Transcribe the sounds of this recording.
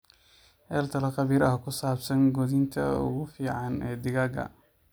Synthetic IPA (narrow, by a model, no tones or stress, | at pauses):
hɛːlt̪ʰɐlɐqɑβiːɾɐɦkʰʊsaːbsɐŋɡɔðɪnt̪ʰɐ̰ʊ̰ɣʊfiːʕɑnɛːd̪ɪɣaːɡɐ̰